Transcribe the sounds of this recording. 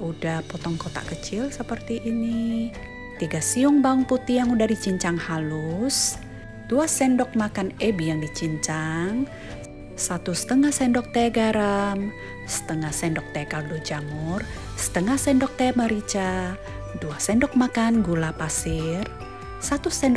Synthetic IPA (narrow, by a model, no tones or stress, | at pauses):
udahpɔt̪ɔŋkɔt̪a̰kət͡ʃɪlsəpərt̪iʔːni | t̪iɡasiuŋbauŋput̪ijaŋudahdit͡ʃiɲt͡ʃaŋhalus | d̥uasɛndɔk̚makanɛbijaŋdit͡ʃiɲt͡ʃaŋ | sat̪usə̥t̪əŋahsɛndɔk̚t̪eɡaɾam | sə̥t̪əŋahsɛndɔk̚t̪ɛkaldud͡ʒamur | sə̥t̪əŋahsɛndɔk̚t̪eaməɾit͡ʃa | duasɛndɔk̚makanɡulapasir | sat̪usɛnd